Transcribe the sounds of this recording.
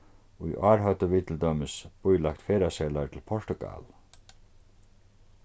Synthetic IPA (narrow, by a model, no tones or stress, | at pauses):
ujʔɑːɾɦœt̪əʋiːt̪ʰl̩d̪œməsb̥ujlakt̪feːɾaseːlaɾt̪ʰɪlpʰɔʂʈ̪ʊɡa̰l